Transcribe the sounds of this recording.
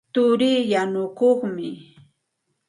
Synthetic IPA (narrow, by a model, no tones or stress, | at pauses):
t̪ʊɾiːjanʊkoχmɪ